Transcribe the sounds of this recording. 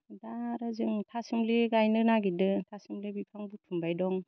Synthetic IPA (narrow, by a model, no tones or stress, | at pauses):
daɾɯzɯŋtʰasɯmliɡajnɯnaɡidɯtʰasɯmlibipʰaŋbutʰumbajdɔŋ